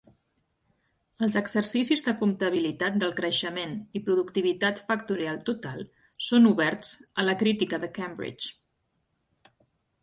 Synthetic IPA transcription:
əlˠzəɡzəɾsisizðəkumt̪əβ̞ilit̪at̪̚d̪əlˠkɾəʃəmenipɾuðukt̪iβ̞it̪at̪fəkt̪uɾialˠt̪ut̪alˠ | sonuβɛɾt͡sələkɾit̪ikəðəkɛmbɾḭt͡ʃ

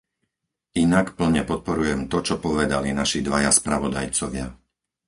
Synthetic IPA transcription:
ʔinakpl̩ɲɛpɔt̪̚pɔɾujɛmt̪ɔt͡ʃɔpɔʋɛd̪alinaʃid̪ʋajaspɾaʋɔd̪ajt͡sɔʋɪa

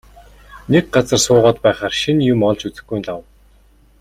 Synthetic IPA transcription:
nek̚ɢat͡sə̆rsʊːʁɔːt̪pæːχaːrʃinjʊmɔɮt͡ɕut͡sɘ̆xɡujnɮaw

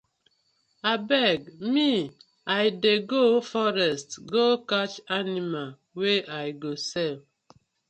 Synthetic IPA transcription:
abɛɡmi | ajdeɡofɔɾɛstɡokat͡ʃanimal | weʔajɡosɛl

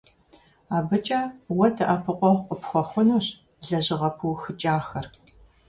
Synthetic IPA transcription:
aːbɨt͡ʃʼɐwɔtʰɨʔɐpʰɨqʷʼɔqʷʼəpxʷɔxʷʊnuːɕ | ɮɐʑɪʁɐpʰuwxɨt͡ʃʼaːxɐr

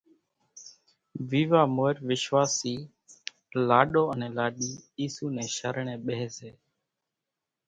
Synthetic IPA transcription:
ʋiːʋaːmoːɾʋɪʃʋaːsiː | laːɗoːənẽːlaːɗiːiːsuːnẽːʃəɾɳẽːɓəɦeːseː

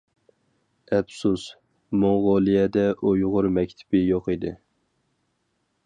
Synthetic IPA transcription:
ɛpsus | moŋʁɑlˠijɛd̪ɛʔojʁʊɾmɛkʲt̪ʰɪ̥b̥ɪjoqid̪ɪ̰

